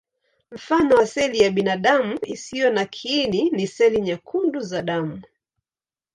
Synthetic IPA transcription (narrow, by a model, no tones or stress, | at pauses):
m̩fanɔwasɛlijaɓinaɗamuisijɔnakʰininisɛliɲakʰunduzaɗamu